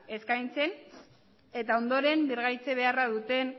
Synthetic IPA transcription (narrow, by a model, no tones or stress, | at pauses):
e̞skajnt͡se̞n | e̞t̪ao̞nd̪o̞ɾe̞mbiɾɣajt͡se̞β̞e̞arað̞ut̪e̞n